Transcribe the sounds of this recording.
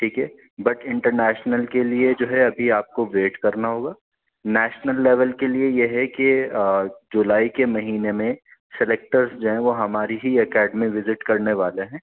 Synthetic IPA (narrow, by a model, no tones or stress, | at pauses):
ʈʰiːkɦɛ | bɐʈɪ̃ɳʈəɾnɛːʃnəlkelied͡ʒoːɦɛɐbʱiaːp̚koʋeːʈkɐɾnaɦoːɡaː | nɛːʃnəlːɛʋəlkeliejeɦɛke | d͡ʒʊlaːikemɐɦiːnemẽ | sɪleːk̚ʈəɾzd͡ʒoɦɛ̃ʋoɦɐmaːɾiɦiɐkɛːɖmiʋɪzɪʈkɐɾneʋaːleɦɛ̃ː